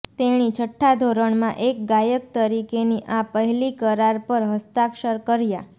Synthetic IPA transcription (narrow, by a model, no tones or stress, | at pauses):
t̪eɽ̃it͡ʃʰəʈʰːad̪ʱoɾəɳ̃mã̰ʔek̚ɡajəkt̪əɾikeniʔapəɦɛlikəɾaɾpəɾɦəst̪akʃəɾkəɾja